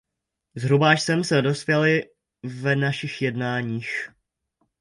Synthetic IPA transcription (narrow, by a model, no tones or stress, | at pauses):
zɦɾubaʃsɛmsɛdo̞spjɛlɪ | vɛnaʃɪxjɛdnaːɲiːx